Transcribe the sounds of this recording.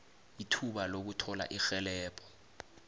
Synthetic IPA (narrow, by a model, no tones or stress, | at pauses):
jitʰuɓalok̬utʰɔla̰ʔixɛlɛːpʰɔ̥